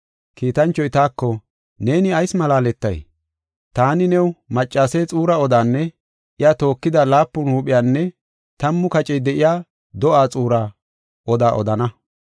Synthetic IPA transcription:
kiːt̪ɐnt͡ʃːɔjt̪aːkːɔ | ne̞ːnɪɐjsmɐlaːlɛt̪ːɐ̰j | t̪aːnɪnɛwmɐt͡ʃʼːaːsɛt͡sʼuːɾɐɔd̪aːnːɛ | ʔɪjat̪o̞ːkːɪd̪ɐlaːpːʊnhuːpʼɪjaːnːɛ | t̪ɐmːʊkɐt͡ʃʼɛjd̪ɛʔɪjaː | d̪ɔʔaːt͡sʼuːɾa | ʔɔd̪aːʔɔ̰d̪ɐnɐ

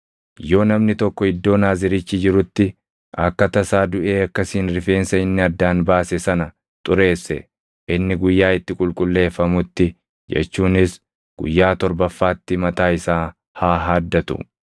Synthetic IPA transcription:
jo̞ːnɐmnɪt̪ɔkːɔɪd̪ːo̞ːnaːzɪɾɪt͡ʃːɪd͡ʒɪɾʊt̪ːɪ | ɐkːɐt̪ɐsaːd̪ʊʔe̞ːɐkːɐsiːnɾɪfe̞ːnsɐɪnːɪɐd̪ːaːnbaːsɛsɐnɐ | t̪ʼʊɾe̞ːsːɛ | ʔɪnːɪɡʊjːaːɪt̪ːɪkʼʊlkʼʊlːe̞ːfːɐmʊt̪ːɪ | d͡ʒɛ̰t͡ʃːuːnɪs | ɡ̥ʊ̰jːaːt̪ɔɾbɐfːaːt̪ːɪmɐt̪aːɪsaː | haːɦaːd̪ːɐt̪ʊ̰

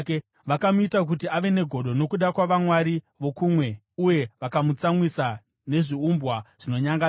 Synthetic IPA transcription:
ʋakamuitak̬utiaʋe̞ne̞ɡʱo̞ɗo̞no̞kuɗakwaʋamwaɾi | ʋo̞kumwe̞ | uje̞ʋakamut͡samwisa | ne̞ʐiumbwaʐ̥ino̞ɲaŋɡa

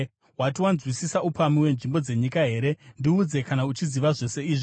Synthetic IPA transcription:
watiwanzwisisaupamiwe̞nʐimbo̞d͡ze̞ɲikaɦe̞ːɾe̞ndiːd͡ze̞kanaut͡ʃiziʋaʐo̞se̞iːʐi

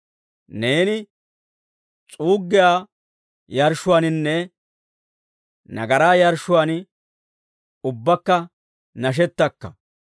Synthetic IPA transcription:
ne̞ːnɪ | t͡sʼuːɡːɪjaː | jɐɾʃʊwaːnɪnːɛ | nɐ̰ɡɐɾaːjɐɾʃːʊwaːnɪ | ʊbːɐkːɐ | nɐʃ̬ɛt̪ːɐkːɐ̰

